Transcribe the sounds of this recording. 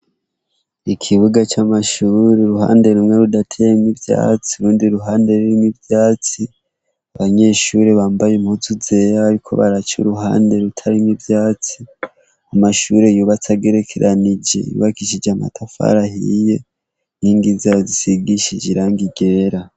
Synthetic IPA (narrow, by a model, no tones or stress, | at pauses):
ikʰiβuɡat͡ʃamaʃuːɾeɾuha̰ːnde̞ɾumŋe̞ɾudatʰejemibja̰ːt͡siuɾuːndiɾuɦaːnde̞ɾuɾimibjaːt͡si | aβaɲe̞ʃuɾeβaːmbajemhut͡suze̞ɾaaɾikʰo̞̰βa̰ɾat͡ʃṵɾuɦa̰ːnde̞ɾutʰaɾimibjaːt͡si | amaʃuɾe̞juːβat͡saɡe̞ɾe̞kʰeɾʔanid͡ʒe̞̰jṵβakiʃid͡ʒama̰tʰafa̰ɾahḭje̞ | niːŋɡizazisiɡiʃid͡ʒiɾaːŋɡiɡe̞ːɾa